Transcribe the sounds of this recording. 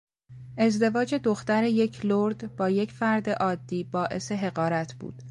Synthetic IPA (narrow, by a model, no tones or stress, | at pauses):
ʔe̞zd̪e̞vɒːd͡ʒe̞d̪oxt̪æɾe̞je̞cʰloɾd̪bɒːje̞cʰfæɾd̪e̞ʔɒːd̪ːiːbɒːʔe̞̰se̞ɦe̞ɣɒːɾæt̪ʰbṵːd̪̥